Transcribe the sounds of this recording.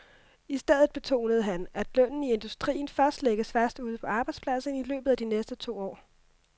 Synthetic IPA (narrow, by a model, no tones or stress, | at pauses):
isd̥eð̞̰ˠð̩ˠb̥e̝t͡sʰo̝̰ːnəð̞̩ˠəɦænæd̥lœnn̩ie̝nd̥usd̥ʁḭːn̩fɶɐsd̥leɡ̥əsfæɐsd̥uð̞̰ˠpʰɒ̽ɑ̈ːb̥ɑ̈ɪdspʰlæsn̩ilø̰ːb̥ð̩ˠæd̥inesd̥ət͡sʰo̝̰ːɒ̰ː